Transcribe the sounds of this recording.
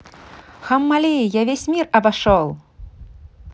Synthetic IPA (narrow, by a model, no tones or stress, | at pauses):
xɐmːalʲejjavʲesʲmʲirɐbaʂɔlˠ